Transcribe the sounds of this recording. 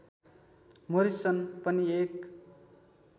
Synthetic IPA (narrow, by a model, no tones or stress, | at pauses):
moɾisʌnpʌniek